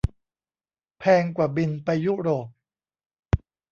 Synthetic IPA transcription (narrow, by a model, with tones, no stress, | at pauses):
pʰɛː˧ŋkwaː˨˩bi˧npa˧jːu˦˥ɾoː˨˩p̚